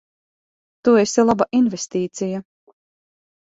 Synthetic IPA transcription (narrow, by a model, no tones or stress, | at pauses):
t̪uesɛlˠabaʔinvest̪iːt̪sija